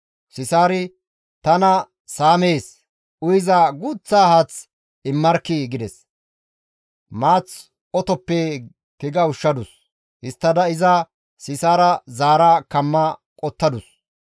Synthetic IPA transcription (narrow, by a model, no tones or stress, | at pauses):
sɪsaːɾɪ | t̪ɐnɐ | saːmeːs | ʊjɪzaɡʊt͡sːaːhɐt͡s | ɪmːɐɾkːɪɡɪd̪ɛs | maːt͡s | ɔt̪ɔpːɛ | kɪɡɐʊʃːɐd̪ʊs | hɪst̪ːɐd̪ɐɪzɐ | sɪsaːɾɐzaːɾakɐmːɐkʼɔt̪ːɐd̪ʊs